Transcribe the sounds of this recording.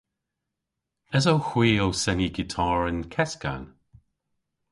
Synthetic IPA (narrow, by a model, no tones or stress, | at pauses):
əzowxwiːowsɛniɡɪtʰɑːɹənkʰɛska̰n